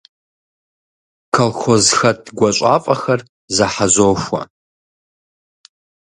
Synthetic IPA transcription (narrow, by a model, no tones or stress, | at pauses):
kʰɐlxʷozxɐt̚ʰɡʷɐɕʷʼaːfʼɐxɐr | zɐħazoːʃʷɐ̰